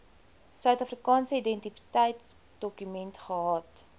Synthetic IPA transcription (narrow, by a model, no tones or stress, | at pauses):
sœɥtɐfrikɑːnsəidɛntifi̥tɛjts | d̥ɔkymɛntχəɦɑt